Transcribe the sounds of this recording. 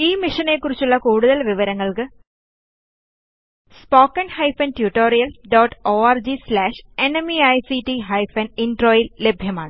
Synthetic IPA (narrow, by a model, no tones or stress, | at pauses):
iːmiʂɐnekːurit͡ɕːuɭːɐkuːɽuðɐlʋiʋɐɾɐŋːɐɭkɨ | spoːkːɐɳɖhɐjfɐntjuʈːoːrijɐlɖoːʈːoːaːrd͡ʑislaːʂe̞nemiɐjsiʈːiɦɐjfɐninɖro̞ːjille̞bʱjɐmaːɳɨ